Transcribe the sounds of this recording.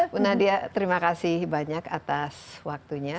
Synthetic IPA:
punahdiat̪əɾimakasɪhbaɲakat̪aswak̚t̪uɲa

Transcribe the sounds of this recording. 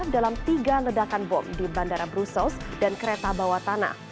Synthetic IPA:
dalamt̪iɡalədakanbɔ̰mdibandaɾabɾusɔsdankəɾet̪abawat̪ana̰h

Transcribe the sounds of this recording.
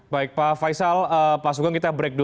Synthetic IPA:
baɪk̚pafajsaləpas̬ukaŋkit̪abɾɛk̚du

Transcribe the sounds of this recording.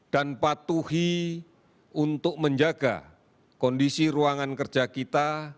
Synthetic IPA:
d̥anpat̪uhi | unt̪ʊk̚məɲd͡ʒaɡa̰ | kɔndisiɾuaŋankər̥d͡ʒ̥akit̪a

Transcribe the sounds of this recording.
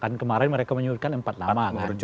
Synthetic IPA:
kankəmaɾɛnməɾekaməɲuut̪̚kanəmpat̪̚lamakar

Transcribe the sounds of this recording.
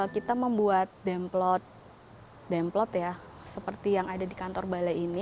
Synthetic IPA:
akit̪aməmbuat̪̚dɛmplɔt̪̚ | dɛmplɔt̪ja | səpərt̪ijaŋadadikant̪ɔrbalaini

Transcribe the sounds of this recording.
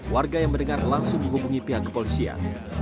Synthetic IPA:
warɡajaŋməndəŋarlaŋsʊŋməŋɦubuŋipiɦakːə̥polisia̰n

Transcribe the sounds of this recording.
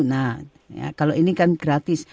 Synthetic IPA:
na | ja̰kaloʔinikanɡɾat̪ɪs

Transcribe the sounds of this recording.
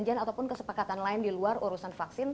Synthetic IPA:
ɲd͡ʒianat̪awpʊnkəsə̥pakat̪anlaɪndiluaroɾusanfaksɪn

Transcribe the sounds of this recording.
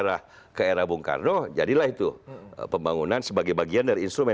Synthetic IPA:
ɾah | kaeɾahbuŋka̰rnod͡ʒa̰dilahit̪ṵpəmbaŋunansəbaɡajbaɡiandaɾiːnst̪ɾumɛ̃

